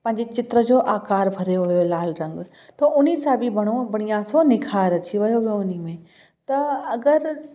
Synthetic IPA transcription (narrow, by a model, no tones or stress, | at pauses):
pɐ̃ɦɪ̃ɲd͡ʑet͡ɕɪt̪ɾəd͡ʑoːʔaːkaːɾbʱɐɾejoʋɐjolaːlɾɐ̃ŋɡ | t̪ɐʔʊnisãbibʱɐɽ̃obɐɽ̃ijãsõnɪkʰaːɾɐt͡ɕiʋɐjoʋijoʊnimẽ | t̪ɐɐɡəɾ